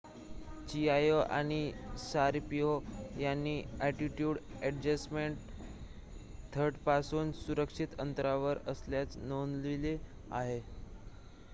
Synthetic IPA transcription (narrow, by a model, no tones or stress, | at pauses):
t͡ɕiajoʔa̰ɽ̃isaɾpiojanːiːɛʈiʈjuːɽɛɖd͡ʑasmeɳʈ̚ | t̪ʰəɾʈpasuːnsuɾəkʂit̪ənt̪ɾaʋəɾəsljat͡snonlile | a̰ɦe